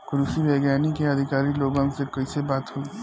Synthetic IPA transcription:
kʊɾusibeːɡjaːnikeɐd̪ʱɪkaːɾiloːɡãŋsekɐisebaːt̪ɦoi

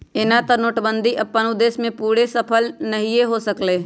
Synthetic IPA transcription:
ɪnat̪ɐnoːʈbə̃nd̪ʱiʔɐpːənud̪eːsmẽpuːɾesəpʰəlnɐɦieɦosəkleː

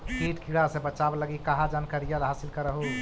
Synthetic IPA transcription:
kiʈkiɽasẽbət͡ʃabləɡikaɦad͡ʒankəɾijalɦaːsilkəɾəɦu

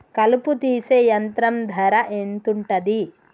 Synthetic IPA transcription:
kɐluput̪iːseːjɐnt̪ɾɐmd̪ʱɐɾɐʔent̪uɳʈɐd̪i

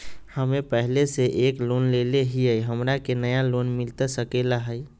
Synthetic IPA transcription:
həmepəɦleseʔeklonleleɦiəjɦəmɾakenəjalonmilt̪əsəkelaɦəj

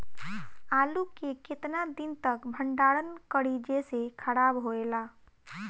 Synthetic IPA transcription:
aːlukekɪt̪nad̪int̪əkbʱəɳɖaɽənkəɽid͡ʒesekʰəɽabɦoela

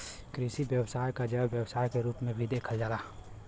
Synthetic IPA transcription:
kɾisibjəwsaːjkad͡ʒəbjəwsaːjkeɾuːpmẽbʱid̪eːkʰəld͡ʒaːlaː

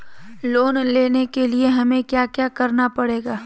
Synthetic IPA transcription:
loːnleːnekelieɦɐmẽkjaːkjaːkɐɾnapɐɽeːɡaː

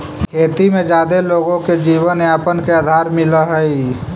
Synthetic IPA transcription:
kʰeːt̪imẽd͡ʒaːd̪eloːɡõked͡ʒiːbənaːpənkead̪ʱaːɾmɪləɦəi

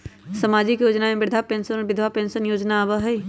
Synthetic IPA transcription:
sɐmaːd͡ʒɪkjoːd͡ʒnamẽbɪɾd̪ʱapẽːnsənɔːɾbɪd̪ʱʋapẽːnsənjoːd͡ʒnaʋəɦə

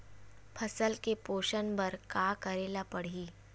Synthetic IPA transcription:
pʰɐsəlkepoːʃənbɐɾkaːkɐɾeːlapɐɽ̤iː

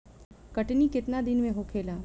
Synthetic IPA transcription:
kɐʈnikɪt̪nad̪ɪnmẽɦoːkʰeːlaː

